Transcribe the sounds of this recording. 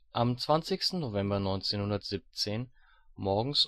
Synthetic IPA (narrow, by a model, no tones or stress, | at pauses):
ʔamt͡sv̥ant͡sɪçstn̩novɛmbɐnɔʏnt͡seːnhʊndɐtz̥ip̚t͡seːn | mɔɐɡŋ̩s